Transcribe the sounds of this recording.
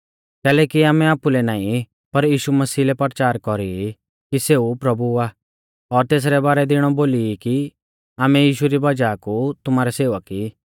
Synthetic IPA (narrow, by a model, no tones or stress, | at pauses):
kɛːlɛːkiaːmɛaːpulɛnaːĩ | pɐɾjiːʃumɐsiːlɛpɐɾt͡ʃaːɾkɔɾi | kiseːupɾɐbua | ɔːɾt̪eːs̬ɾɛbaːɾɛd̪ɪɽ̃ɔboːliki | aːmɛjiːʃuɾibɐd͡ʒaːkut̪ʊmaːɾɛseːʋəki